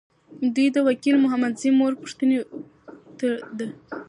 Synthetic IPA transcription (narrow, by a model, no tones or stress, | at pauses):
d̪ujd̪əwakilmʊɦamad̪zimoɾpʊ̥ʂt̪əne | t̪əd̪ə